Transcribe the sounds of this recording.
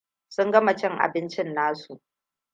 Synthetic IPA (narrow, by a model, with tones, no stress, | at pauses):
sʊ˦ŋɡɐ˦ma˨t͡ʃɛ˦ŋʔa̰˨bɪ˦nt͡ʃɪ˦nːaː˦su˨ʔ